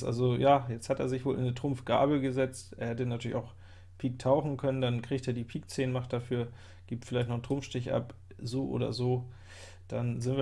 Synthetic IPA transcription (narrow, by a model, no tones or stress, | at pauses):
ʔa̰lzojaːjɛt͡sthatḛːɐzɪçv̥oːlʔɪ̰nətʁ̥ʊmfɡ̥a̰ːbəɡəzɛt͡stʔeːɐhɛtənatʰyːɐlɪçaʊx | pʰiːk̚tʰaʊxn̩kʰœnəndankʁ̥iːçteːɐdiːpʰiːk̚t͡seːnəmaχt̚d̥afyːɐ | ɡ̥iːp̚tfɪlaɪçtnɔχntʁ̥ʊmfʃtɪçʔa̰p | zoːʔo̰ːdɐ̰zoː | d̥anzɪntviː